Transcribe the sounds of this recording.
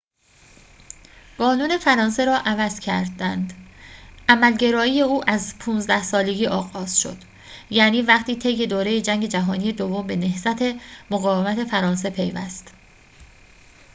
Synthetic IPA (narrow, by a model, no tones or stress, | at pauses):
ɡ̥ɒːnuːne̞fæɾɒːnse̞ɾɒːʔævæz̥cʰæɾd̪ænd̪ | ʔæmælɟe̞ɾɒːije̞uːʔæzpʰuːnzd̪æhsɒːle̞ɡʲiːʔɒːɣɒːz̥ʃo̞̰d̪̥ | jæːniːvæχt̪ʰiːt̪ʰe̞jːe̞d̪oːɾe̞jed͡ʒæŋɟe̞d͡ʒæɦɒːnije̞d̪ovːombe̞ne̞hzæt̪ʰe̞moɣɒːvemæt̪ʰe̞fæɾɒːns̬e̞pʰe̞jvæ̰st̪